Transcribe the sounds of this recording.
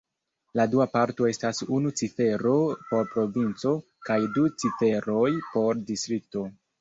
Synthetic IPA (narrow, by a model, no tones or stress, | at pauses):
laduapaɾto̞e̞stasunut͡sife̞ɾo̞po̞ɾpɾo̞vint͡so̞ | kajdut͡sife̞ɾo̞jpo̞ɾdistɾik̚to̞